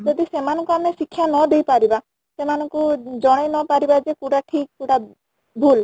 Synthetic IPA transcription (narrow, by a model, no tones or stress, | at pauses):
d͡ʒɔd̪isemanɔ̃ŋkuamesikʰːjanɔd̪ejpaɾiba | semanɔŋkud͡ʒɔɽ̃ejnɔpaɾibad͡ʒekuɽaʈʰik̚kuɽa | bʱul